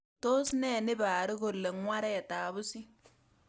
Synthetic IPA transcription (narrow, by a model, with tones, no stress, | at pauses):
to˦snɛ˨nɪ˦baː˨ɾɪ˦ko˨lːe˨ŋwa˦ɾɛ˨taː˨bʊ˦si˦